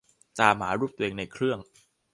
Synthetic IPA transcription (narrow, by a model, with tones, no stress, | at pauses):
t̪aː˧mɦaː˩˦ɾuː˥˩p̚t̪u˧ʔeː˧ŋna˧jkʰɾɯ˥˩əŋ